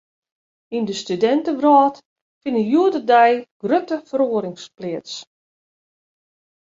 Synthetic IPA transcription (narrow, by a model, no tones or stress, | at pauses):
indəstydɛntəʋrɔːt | fɪnəjuədərdɛjɡ̥røtəfəɾoəɾɪŋsplɪəts